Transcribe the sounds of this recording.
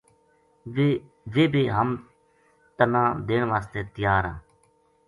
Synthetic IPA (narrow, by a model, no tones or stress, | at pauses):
ʋeːbeːɦəm | t̪ənãːd̪eːɳʋaːst̪eːt̪ɪjaːɾã̰ː